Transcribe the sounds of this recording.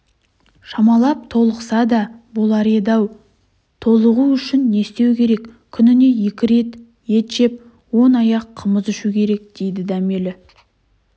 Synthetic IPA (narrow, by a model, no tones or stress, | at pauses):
ʃɑmɑlˠɑp̚t̪ʰo̞lˠəqsɑd̪ɑbolˠɑɾed̪ɑw | t̪ʰo̞lˠəʁuʏʃɪnːe̞st̪e̞wkʲʰe̞ɾe̞kkʲʰːʏnɪne̞je̞kʲɪɾe̞t̪ | je̞t̪ʒe̞p̚ | wo̞nɑjɑqʰːəməzʏʃukʲʰe̞ɾe̞k̚d̪̥e̞jd̪ɪd̪æme̞lɪ